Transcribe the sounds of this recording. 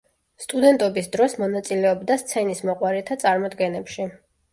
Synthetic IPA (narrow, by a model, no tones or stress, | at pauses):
st̪ʼud̪ɛnt̪ʼɔbisd̪ɾɔsmɔnat̪sʼilɛɔbd̪ast̪sʰɛnismɔqʼwaɾɛt̪ʰat̪sʼaɾmɔd̪ɡɛnɛpʃi